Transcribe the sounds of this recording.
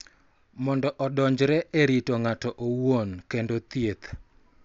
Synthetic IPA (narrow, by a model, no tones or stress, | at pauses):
mɔndɔʔɔdɔɲd͡ʒɾɛʔeɾitoŋatɔʔowonkendot̪jet̪